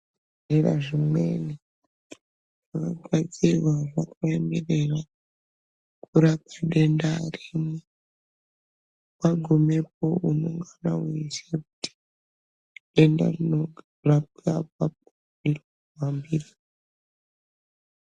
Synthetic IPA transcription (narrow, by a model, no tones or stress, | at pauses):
era̰ʐimweni | ʐakaɡʱwad͡zirwaʐakaemerera | kuɾap̚aɗendarimo | maɡʱomep̚o̞uno̰ŋɡana̰weisek̚uti̥ | ɗenda̰rino | rap̚abap̚ | i | wambiri